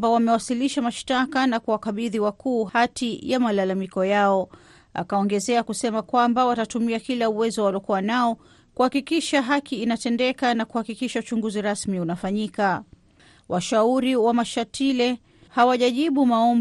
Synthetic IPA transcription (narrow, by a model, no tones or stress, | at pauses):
bawamɛwasiliʃamaʃtakanakuwakaɓiðiwakuːhhatʰijamalalamikɔjaɔ | a̰kaɔŋɡɛzɛakusɛmakwambawatatumiakilauwɛzɔwalɔkuwanaɔ | kuhakikiʃaɦakiːnatɛndɛkanakuhakikiʃaut͡ʃuŋɡuziɾasmiunafaɲika | wʔaʃauɾiwamaʃatʰilɛ | hawaʄaʄiɓumaɔm